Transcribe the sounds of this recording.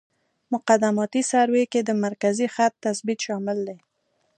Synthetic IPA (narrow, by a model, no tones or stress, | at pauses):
mʊqad̪amɑt̪isaɾweked̪əmaɾkazixat̪ːasbit̪ʃɑmɪld̪e